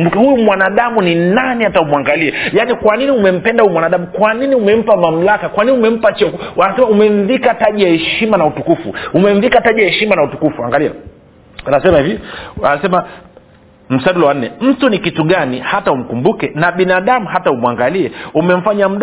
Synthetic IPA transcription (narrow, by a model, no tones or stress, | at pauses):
bukɛhujumwanaɗamuninanihataumwaŋɡaliɛjanikwaniniumɛm̩pɛndahujumwanaɗamukwaniniumɛm̩pamam̩lakakwaniniumɛm̩pat͡ʃɔkanasɛmaumɛɱvikataʄijahɛʃimanautukufṵumɛɱ̩vikataʄijahɛʃimanautukufua̰ŋɡalia̰ | anasɛmahivia̰nasɛma | m̩saɗulɔwan̩ːɛm̩tunikituɠanihataum̩kumbukɛnaɓinaɗamuhataumuaŋɡaliɛumɛɱ̩faɲam̩ɗ